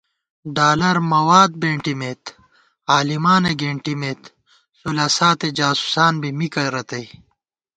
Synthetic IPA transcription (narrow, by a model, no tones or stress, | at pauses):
ɖaːlɐɾmɐwaːd̪̚beːɳʈimeːt̪ | aːlimaːneɡeːɳʈimeːt̪ | sulasaːt̪ed͡ʑaːsu̥saːnbimikɐɾɐt̪ɐj